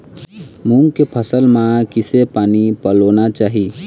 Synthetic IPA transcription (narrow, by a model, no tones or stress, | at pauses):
muŋɡkepʰəsəlmãkisepanipəlonat͡ʃaːɦi